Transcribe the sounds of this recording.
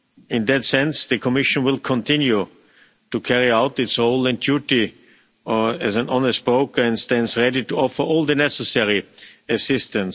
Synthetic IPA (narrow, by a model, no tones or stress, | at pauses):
ɪ̃nðɨtsɛ̃nsðɨkʰɔmɪʃə̃nwɪlˠkʰɔ̃ntʰɪ̃nju | tukʰɛɹiaʊtɨtshoʊlˠɨ̃ndjuti | ɨzæ̃nɔ̃nəst̚b̥ɹoʊkə˞ɨ̃nstɛ̃ndsɹɛɾituɔfə˞ʔɔːlˠðɨnɛsəsɛɹiɨsɪstə̃ns